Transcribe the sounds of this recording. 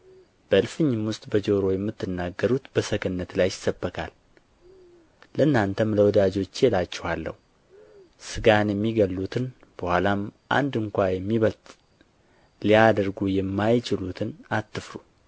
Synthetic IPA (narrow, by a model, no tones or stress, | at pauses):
b̥əʔɨlfɨɲːɪmwʊst̪ʼbəd͡ʒoɾo̞jɛmːɨt̪ːɨnːaɡːəɾut̪b̥əsəɡənːət̪lajɪ̥səbːəkʰa̰l | ləɨnːant̪ʰəmləwɔd̪ad͡ʒo̞t͡ʃːjɛlat͡ʃːɛwhalːə̰hu | sɨɡanjɛmːiɡəlːut̪ʰɨn | b̥əhwʷalamʔa̰nd̪ɨŋkʷajɛmːiβəlt̪ʼ | lijad̪əɾɡujɛmːajt͡ʃɪlut̪ʰɨnat̪ːɨfɾu